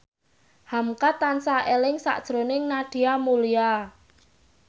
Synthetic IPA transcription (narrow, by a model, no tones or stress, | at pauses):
hamkat̪ːansaʔelɪŋsa̰ʔd̥ʒ̥ɾonɪŋnaɖ̥i̤amulija